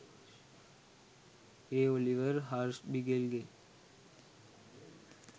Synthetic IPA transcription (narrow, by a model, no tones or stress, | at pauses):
eoliʋəɾɦaːɾsbiɡeːlɡeː